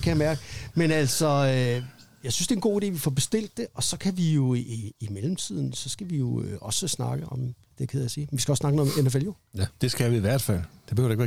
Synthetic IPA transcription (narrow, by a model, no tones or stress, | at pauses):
kʰæjɑmæɐɡ̥əmenæl̰sɒ̽ø | jɑ̈ɪsynsd̥e̝ːnɡ̥o̝̰ːid̥e̝̰ːʋifɒb̥e̝sd̥e̝l̰d̥ːe̝ʔɒ̽sɒ̽kʰæʋijo̝iimelm̩t͡sʰið̞̰ˠn̩sɒ̽sɡ̥æʋijo̝øʔɒ̽səsnɑ̈ɡ̥əʔɒ̽m | d̥ekʰeð̰ˠɐjsiːmenʋisɡ̥æɒ̽snɑ̈ɡ̥ənoðˠmʔenæfel̰jo̝ | jæd̥e̝sɡ̥æʋiiʋæɐ̰d̥fæl̰d̥e̝b̥eɾɑeɡ̥ʋæː